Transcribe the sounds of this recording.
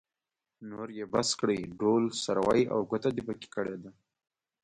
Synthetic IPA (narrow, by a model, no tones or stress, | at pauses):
noɾjebaskɽəjɖolsaɾwaja̰wɡət̪ad̪ipəki̥kəɽed̪a